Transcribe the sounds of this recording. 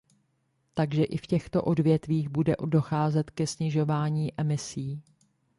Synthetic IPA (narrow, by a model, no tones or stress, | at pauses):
t̪aɡʒɛʔɪfcɛxt̪o̞̰ʔo̞dvjɛt̪viːɣbudɛʔdo̞xaːzɛt̪kɛsɲɪʒo̞vaːɲiːʔɛmɪsiː